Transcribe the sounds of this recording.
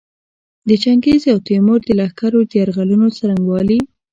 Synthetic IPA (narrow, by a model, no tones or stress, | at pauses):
d̪ət͡ʃaŋɡezawt̪emoɾd̪əlahkaɾod̪əjaɾɣalunot͡saɾaŋɡwɑli